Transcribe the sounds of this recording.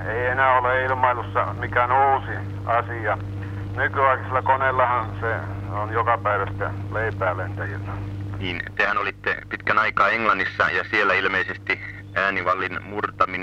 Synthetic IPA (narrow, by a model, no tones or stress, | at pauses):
eienæːoleilmɑilusːɑmikæːnuːsi | ɑsiɑ | nykyɑikselːɑkonelːɑhɑnseonjokɑpæiʋæst̪æ̰leipæːlent̪æjynːɑniːnt̪ehænolit̪ːḛpit̪kænɑikɑːeŋlɑnːisːɑ̰jɑsielːˑæilmeisest̪i | æːniʋɑlːinmurt̪ɑmin